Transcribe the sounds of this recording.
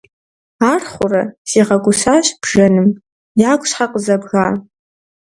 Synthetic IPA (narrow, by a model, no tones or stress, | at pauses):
arχʷʊrasiʁaɡʷʊsaʃb̥ʐanɨm | jakʷʼʂħaqʼəzabɣa